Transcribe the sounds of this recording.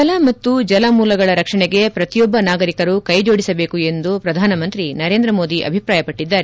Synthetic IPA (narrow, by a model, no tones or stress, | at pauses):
kɐlɐmɐt̪ːud͡ʒɐlɐmuːlɐɡɐɭɐɾɐkʂɐɳɛɡe̞pɾɐt̪ijɔbːɐnaːɡɐɾikɐɾukɐjd͡ʒo̞ːɽisɐbe̞ːkue̞nd̪upɾɐd̪ʱaːnɐmɐnt̪ɾinɐɾe̞ːnd̪ɾɐmo̞ːd̪iʔɐ̰bʱipɾaːjɐpɐʈːid̪ːaːɾe